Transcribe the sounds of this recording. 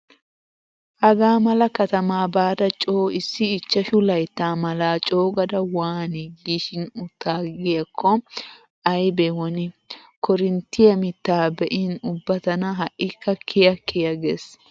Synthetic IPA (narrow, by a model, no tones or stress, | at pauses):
ʔɐɡaːmɐlɐkɐt̪ɐmaːbaːd̪ɐt͡ʃʼoːɪsːɪːt͡ʃːɐʃʊlɐjt̪ːaːmɐlaːt͡ʃʼoːɡɐd̪ɐwaːnɪɡiːʃɪnʊt̪ːaːɡɪjɐkʰːɔ | ɐjbɛwɔnɪ | kɔɾɪnt̪ːɪjɐmɪt̪ːaːbɛʔɪnʊbːɐt̪ɐnɐɦɐʔːɪkʰːɐkʰːɪjɐkʰːɪjɐɡes